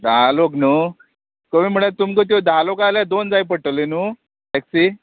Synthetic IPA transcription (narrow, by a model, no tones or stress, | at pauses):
d̪aloknu | kəʋim̤əɽ̃et̪umkət̪̬od̪ʱalokaljad̪ond͡zajp̬əɽʈəlenu | eksi